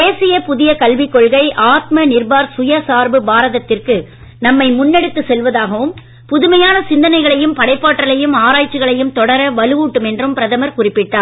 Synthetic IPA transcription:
eːsɪjɐpʊðɪjɐkɐlʋɪkːɔɭɣɐɪʔaːt̪̚mɐnɪrbaːɾsʊjɐsaːɾbɯbaːɾɐðɐt̪ːɪrkɯ | nɐmːɐɪmʊnːɛɽɯt̪ːɯsɛlʋɐðaːɣɐʋɯm | pʊðɯmɐjaːnɐsɪnd̪ɐnɐɪɣɐɭɐjɯmpɐɽɐɪpːaːʈːɐɭɐjɯmaːɾaːjt͡ʃːɯɣɐɭɐjɯmt̪ɔɽɐɾɐʋɐlɯʋuːʈːɯmɛndrɯmpɪɾɐðɐmɐɾkʊrɪpːɪʈːaː

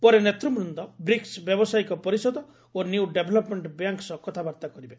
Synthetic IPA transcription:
pɔɾenet̪ɾɔmɾund̪ɔbɾiksbjɔbɔsajkɔpɔɾisɔd̪ɔ | oniuɖebʱelɔpmeɳʈbjaŋksɔkɔt̪ʰabaɾt̪akɔɾibe

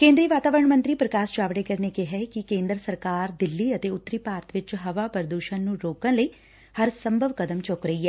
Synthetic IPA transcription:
kẽːnd̪ɾiːʋaːt̪aːʋəɾəɳmə̃nt̪ɾiːpɾəkaːst͡ʃaːʋɽeːkəɾneːkɪɦɛːkɪkẽːnd̪ɾəsəɾkaːɾd̪ɪlːiːət̪eːʊt̪ːəɾiːpaːɾt̪ʋɪt͡ʃɦəʋaːpəɾəd̪uːʃə̃nnũːɾoːkə̃nləiː | həɾsəmbʱəʋkəd̪əmt͡ʃokɾəiːɦɛː

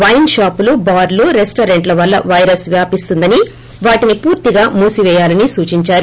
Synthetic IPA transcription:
ʋɐjnʃaːpulubaːɾluɾesʈɐɾe̞ɳʈlɐʋɐlːɐ̰ʋɐjɾɐsʋjaːpist̪und̪ɐni | ʋaːʈinipuːɾt̪iɡaːmuːsiʋɛːjaːlɐnisuːt͡ʃiɲt͡ʃaːɾu

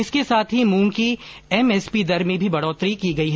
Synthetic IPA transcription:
ɪskesaːt̪ʰɦimũːŋki | ɛmɛːspid̪ɐɾmẽbʱibɐɽɔːt̪ɾikiɡɐiɦɛː

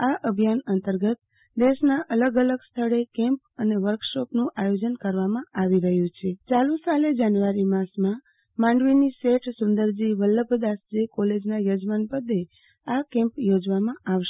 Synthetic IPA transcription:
aʔəbʱijanənt̪əɾɡət̪̚ | d̪eʃnaʔələɡələɡst̪ʰəɭekɛ̃mpəneʋəɾkʃɔpnũʔajod͡ʒənkəɾʋamãaʋiɾəɦjũt͡ʃʰet͡ʃalusaled͡ʒanʋaɾimasmã | mãɳɖʋiniseʈʰsʊnd̪əɾd͡ʒiʋəlːəbəd̪asd͡ʒekɔled͡ʒnajod͡ʒmanpəd̪ːe | akɛ̃mpjod͡ʒʋamãaʋʃe

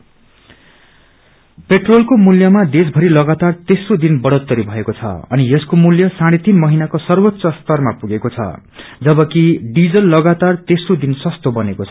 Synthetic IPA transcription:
peʈrolkomuljʌmad̪esbʱʌɾilʌɡat̪art̪esrod̪inbʌɽʌt̪ːʌɾibʱʌekot͡sʰʌ̰ʌ̰nijʌskomuljʌsaɽ̃et̪inmʌɦinakosʌrwʌt̪ːsʌst̪ʌrmapuɡekot͡sʰʌ̰ | d͡zʌbʌkiɖid͡zʌlːʌɡat̪art̪esrod̪insʌst̪obʌnekot͡sʰʌ

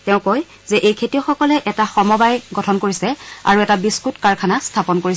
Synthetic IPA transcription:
tɛʊ̃koj | zɛʔejkʰetijɔxɔkɔlɛʔɛtaxɔmɔbajɡɔtʰɔnkoɹisɛa̰ɹuɛtabiskutkaɹkʰanastʰapɔnkoɹisɛ

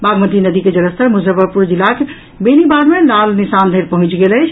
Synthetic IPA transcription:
baɡmət̪inəd̪iked͡ʒələst̪əɾmusəbəɾpuɾd͡ʒilːake | benibaɾmelalnisand̪ʱeɾpəɦũt͡ʃɡeləjt͡ʃʰ

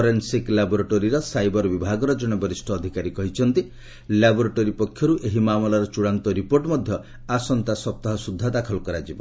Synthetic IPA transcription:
ɔɾensiklabɔɾeʈoɾiɾɔsajbɔɾbibʱaɡɔɾɔd͡ʒɔɽ̃ɔbɔɾisʈʰɔːd̪ʱikaɾikɔɦit͡ʃʰɔnt̪i | labɔɾeʈoɾipɔkʰːjɔɾuʔeɦimamɔlaɾɔt͡ʃuɽant̪ɔɾipoɾʈmɔd̪ʱjɔ | asɔnt̪asɔp̚t̪aɦɔsud̪ʱːad̪akʰɔlɔkɔɾad͡ʒibɔ

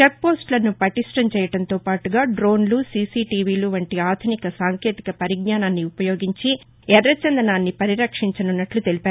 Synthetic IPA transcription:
t͡ʃepːo̞ːsʈlɐnupɐʈisʈɐmt͡ʃɛːjɐɽɐnt̪o̞ːpaːʈuɡaːɖɾo̞ːnlusiːsiːʈiːʋiːluːʋɐɳʈiaːd̪ʰʱɐnikɐsaːŋkʰeːt̪i̥kɐpɐɾiɡnaːnaːnːiupɐjo̞ːɡiɲt͡ʃi | ɛɾːɐt͡ʃɐnd̪ɐnaːnːipɐɾiɾɐkʂiɲt͡ʃɐnunːɐʈlut̪e̞lipaːɾ

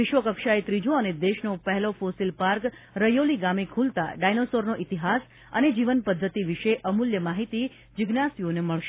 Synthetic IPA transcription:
ʋɪʃʋəkəkʃaet̪ɾid͡ʒõəned̪eʃnopɛɦɛlofosilpaɾk | ɾəjoliɡamekʰult̪a̰ɖajnosoɾnoʔit̪iɦas | ə̰ned͡ʒiʋənpəd̪ʱːət̪iʋiʃeʔəmuljəmaɦit̪i | d͡ʒɪɡnasioneməɭʃe

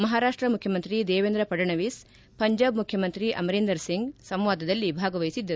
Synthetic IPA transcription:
mɐɦaːɾaːʂʈɾɐmukʰjɐmɐnt̪ɾid̪eːʋeːnd̪ɾɐpɐɖɐɳɐʋiːs | pɐɲd͡ʒaːbmukʰjɐmɐnt̪ɾiʔɐ̰mɐɾeːnd̪ɐɾsiŋɡsɐ̃mʋaːd̪ɐd̪ɐlːibʱaːɡɐʋɐjisid̪ːɐɾu

